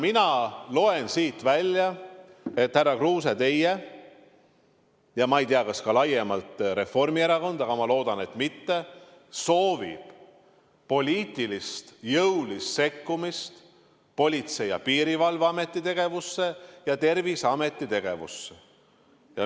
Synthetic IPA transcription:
minɑlo̞e̞nsiːt̪vælʲjɑe̞t̪hærːɑkruːset̪e̞je | jɑmɑejt̪iɑkɑskɑlɑjemɑlt̪ɾe̞fo̞rmieɾɑko̞nd̪ɑɡɑmɑlo̞ːd̪ɑne̞t̪mit̪ːe̞ | so̞ːvḭb̥ | po̞lʲiːt̪ːˑilist̪jɤwlisse̞kːumist̪ | po̞lʲit̪se̞jːɑpiːɾivɑlvɑme̞t̪ːˑit̪e̞ɡ̥e̞vusːe̞jɑt̪e̞rvisɑme̞t̪ˑːit̪e̞ɡ̥e̞̰vṵsːe | jɑ

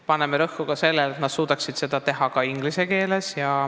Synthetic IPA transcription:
pɑnːe̞meɾɤhːuɡ̥ɑse̞lːelet̪nɑd̪suːd̪̥ɑksid̪̥se̞d̪̥ɑt̪e̞ɦɑkɑiŋɡ̥lise̞ke̞ːle̞sjɑ

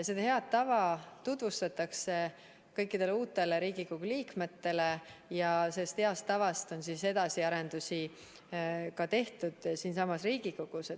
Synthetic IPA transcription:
sed̪ɑhe̞ɑd̪̚t̪ːɑvɑt̪ud̪vust̪ɑt̪ːˑɑkse̞ | kɤ̞jkːid̪e̞leuːt̪ːˑe̞leɾiːɡ̥ikoɡ̥uliːkme̞t̪ːe̞le̞jɑsest̪he̞ɑst̪ɑvɑst̪o̞nsise̞d̪̥ɑsiɑɾe̞nd̪̥usi | kɑt̪e̞ht̪ud̪̥siːnsɑmɑsriːɡ̥iko̞ɡ̥use

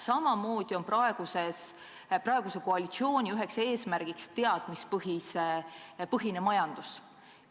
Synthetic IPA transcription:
sɑmɑmo̞ːd̪̥io̞nprɑe̞ɡ̥uses | prɑe̞ɡ̥use̞koɑlit̪sio̞ːnʲiyɦekse̞ːsmærɡ̥ikst̪e̞ɑd̪̥mispɤɦis | pɤɦinemɑjɑnd̪̥us

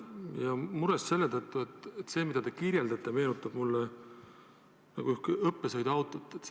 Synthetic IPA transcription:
jɑmuɾesse̞lːet̪ɤt̪ˑːuet̪et̪ːse̞ːmid̪̥ɑt̪e̞kirjeld̪ɑt̪ːˑeme̞ːnut̪ːˑɑb̥mulːe | nɑɡ̥uyhkɤpːesɤjd̪̥ɑwt̪ˑot̪ːˑet̪

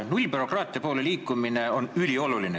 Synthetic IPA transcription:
nulʲbyro̞krɑːt̪ˑiɑpoːle̞liːkːˑumine̞o̞nylʲio̞luline

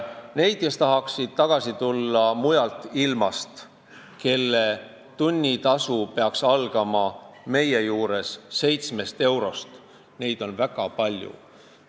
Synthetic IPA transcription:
ne̞jd̪̥̚ke̞st̪ɑɦɑksid̪̥̚t̪ɑɡ̥ɑsit̪ulːɑmujɑlt̪ːˑilmɑst̪ | ke̞lːe | t̪unʲːit̪ɑsupe̞ɑksɑlɡ̥ɑmɑme̞jejuːɾe̞sːe̞jt̪sme̞st̪e̞wɾo̞st̪ | ne̞jd̪̥o̞nvæɡ̥ɑpɑlʲjṵ

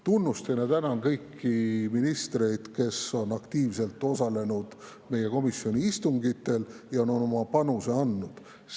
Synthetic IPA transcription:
t̪unːust̪enet̪ænɑnkɤjkːiminist̪re̞jd̪̥ke̞so̞nɑkt̪iːvse̞lt̪ːˑo̞sɑle̞nud̪̥ | me̞je̞ko̞misjo̞nʲiist̪uŋɡit̪ˑːe̞ljɑo̞no̞no̞mɑpɑnuse̞ɑnːud̪̥

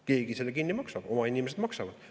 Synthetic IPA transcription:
ke̞ːɡ̥iselːekinːimɑksɑb̥o̞mɑinime̞s̬ed̪̥mɑksɑvɑd̪̥

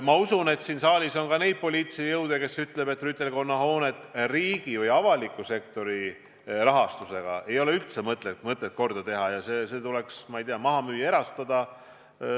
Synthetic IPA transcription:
mɑusune̞t̪siːnsɑːlʲiso̞nkɑne̞jd̪̥̚po̞lʲiːt̪sijɤwd̪̥eke̞syt̪ːle̞be̞t̪ːˑryt̪ːe̞lko̞nːɑho̞ːne̞t̪ːˑriːɡ̥ivɯjɑvɑlikːˑuse̞kt̪o̞ɾi | rɑɦɑst̪use̞ɡ̥ɑ̰e̞jo̞le̞yht̪semɤt̪ˑlemɤt̪ˑːet̪̚ko̞rd̪̥ɑt̪e̞ɦɑjɑseːse̞ːt̪ule̞ksmɑijt̪iɑmɑɦɑmyːjeɾɑst̪ɑd̪̥ɑ

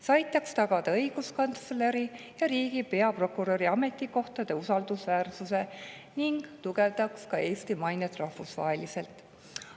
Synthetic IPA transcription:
sɑjt̪ːˑɑkst̪ɑɡɑd̪ɑɤjɡ̥uskɑnt̪sleɾi | jɑɾiːɡipe̞ɑpro̞kuɾoɾiɑme̞t̪ːˑiko̞ht̪ɑd̪̥e̞usɑld̪̥usvæːrsuse̞ | niŋɡ̥t̪uɡe̞vd̪ɑkskɑʔe̞ːst̪imɑjnet̪ˑrɑhvusvɑ̰ːɦelise̞lt̪ˑ

